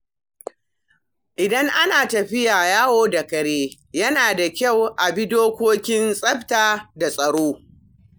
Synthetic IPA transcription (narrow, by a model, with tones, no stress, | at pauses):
ʔɪ˨dɐ˦ŋʔa˦naː˨tɐ˨ɸɪ˦jaː˨jaː˦woː˦da˨kɐ˨ɽeː˦ | jɐ˦naː˨da˨kʲa˦˨wʔa˨bi˦doː˦kʷoː˦kʲɪ˦nsʼɐ˦ɸtaː˨da˨sʼɐ˨ɽoː˦